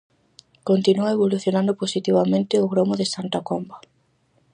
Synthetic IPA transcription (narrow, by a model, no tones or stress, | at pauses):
kont̪inuaeβoluθjonãnd̪ʊposit̪iβ̞amẽnt̪ɪʊɣɾomoðesant̪akomba